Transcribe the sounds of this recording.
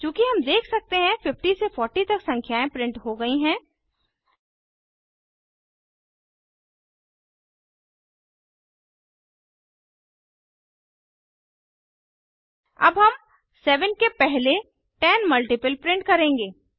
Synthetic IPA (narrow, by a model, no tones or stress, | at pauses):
t͡ʃjũːkiɦɐmd̪eːkʰsɐk̚t̪eɦɛ̃fɪfʈisefʰɔːɾʈit̪ɐksɐ̃ŋkʰjaːẽpɾɪ̃ɳʈɦoɡɐiɦɛ̃ː | ɐ̰bɦɐm | sɛːʋənkepɛɦle | ʈɛnmɐlʈɪpəlpɾɪ̃ɳʈkɐɾẽːŋɡeː